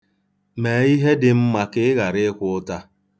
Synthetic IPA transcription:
me˨i˦ɦe˦dɪ˨m̩˦ma˨kɪ˦ɣa˨ɾɪ˦kʷʊ˦ʊ˦ta˦

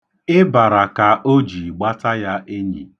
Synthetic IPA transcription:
ɪ˦ba˨ɾa˨ka˨ʔo˦d͡ʒi˨ɡ͡ba˦ta˦ja˦ʔe˦ɲḭ˨

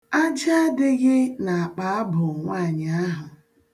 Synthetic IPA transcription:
a˦d͡ʒa˦dɪ˦ɣɪ˦na˨a˨k͡pa˨a˦bʊ˨ŋʷa˦˨ɲ˨a˦ɦʊ˨

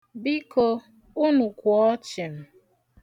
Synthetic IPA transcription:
bi˦ko˦ | ʊ˦nu˨kʷɔ˦t͡ʃɪ˨m̩˨

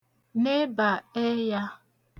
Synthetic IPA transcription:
ne˦ba˨e˦ja˦

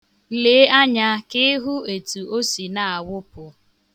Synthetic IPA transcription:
le˨˦a˦ɲa˦kɪ˦ɦu˦e˨tu˨o˦si˨na˨a˨wʊ˦pʊ˨

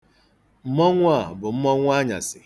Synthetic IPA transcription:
m̩˦mɔ˦ŋʷ˦a˦˨bʊ˨m̩˦mɔ˦ŋʷ˦a˦ɲa̰˨sɪ˨

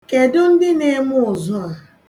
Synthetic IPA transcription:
ke˨dʊ˦n̩˦dɪ˦ne˦mʊ˦ʊ˨zʊ˦a˨

